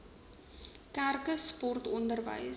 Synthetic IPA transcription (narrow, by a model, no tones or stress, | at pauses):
kærkəspɔrtɔndərvə̰js